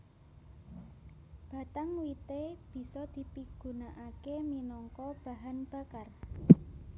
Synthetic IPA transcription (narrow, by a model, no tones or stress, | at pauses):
b̥a̤t̪aŋwit̪eb̥i̤sɔd̪̥i̤piɡ̥ṳnaʔakeminɔŋkɔb̥a̤ɦanb̥a̤kar